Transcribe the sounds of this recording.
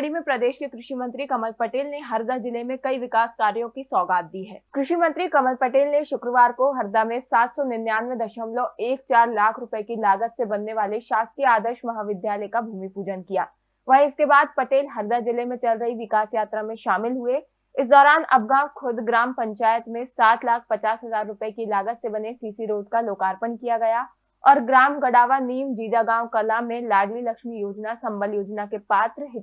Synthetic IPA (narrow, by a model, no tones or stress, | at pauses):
ɽimẽpɾɐd̪eːʃkekɾɪʃimə̃nt̪ɾikɐməlpɐʈeːlneɦɐɾd̪ad͡ʒɪlemẽkɐiʋɪkaːskaːɾjõkisɔːɡaːt̪̚d̪iɦɛːkɾɪʃimə̃nt̪ɾikɐməlpɐʈeːlneʃʊkɾəʋaːɾkoɦɐɾd̪amẽsaːt̪sɔnɪɾnjaːnʋẽd̪ɐʃəmlõeːk̚t͡ʃaːɾlaːkʰɾʊpəekilaːɡət̪sebɐnːeʋaːleʃaːst̪iaːd̪əɾʃmɐɦaːʋɪd̪ʱjaːləjkabʱuːmipuːd͡ʒənkija̰ː | ʋɐɦɪskebaːd̪̚pɐʈeːlɦɐɾd̪ad͡ʒɪlemẽt͡ʃɐlɾɐɦiʋɪkaːsjaːt̪ɾamẽʃaːmɪlɦue | ɪsd̪ɔːɾaːnɐ̰b̚ɡãːwkʰʊd̪ɡɾaːmpɐ̃ɲt͡ʃaːjət̪mẽsaːt̪laːk̚ʰpɐt͡ʃaːsɦɐzaːɾːʊpəekilaːɡət̪sebɐnesiːsiɾoːd̪kaloːkaːɾpənkijaɡɐja | ɔːɾɡɾaːmɡɐɽaːʋaniːmd͡ʒiːd̪aɡãːwkɐlamẽlaːɖlilɐkʃmijoːd͡ʒnasɐ̃mbəljoːd͡ʒnakepaːt̪ɾəɦɪ